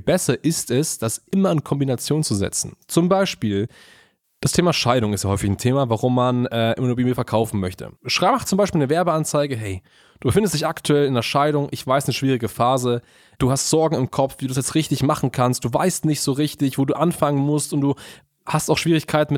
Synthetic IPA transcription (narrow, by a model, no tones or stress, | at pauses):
bɛsɐʔɪstɛsd̥asʔɪmɐɪnkʰɔmbinat͡sjoːnt͡suzɛ̰t͡sn̩t͡sʊmbaɪʃpiːl | d̥astʰeːmaʃaɪɾʊŋɪstjahɔʏfɪçntʰeːmavaʁʊmːanʔɛːʔɪ̰mnoːɐbimiːfɛɐkʰaʊfn̩mœçtʰə̰ʃʁ̥aχt͡sʊmbaɪʃpiːlnəvɛɐbəant͡saɪɡəɦɛɪ | d̥uːbəfɪndəsd̥ɪçaktʰuɛlɪnɐʃaɪɾʊŋʔɪçv̥aɪstnəʃv̥iːʁ̞ɪɡəfaːzə | d̥uːhastz̥ɔɐɡŋ̩ɪmkʰɔp͡ffv̥iːdu̥ːasjɛt͡stʁɪçtɪçmaχn̩kʰanst̚d̥uːva̰ɪstnɪçtz̥oːʁɪçtɪçv̥oːduːʔanfaŋənmʊstʊnt̚d̥uː | hastaʊxʃv̥iːʁ̞ɪçkʰaɪtn̩ɪ